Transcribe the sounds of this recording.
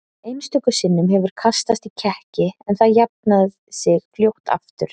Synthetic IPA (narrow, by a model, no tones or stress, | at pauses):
ejnst̪ʰʏːkʏsɪnːʏmɦɛvʏɾ̥kʰast̪ast̪icʰɛhcɪɛnθaðjap̚nað | sɪɣfljowht̪a̰ft̪ʏ̰ɾ̥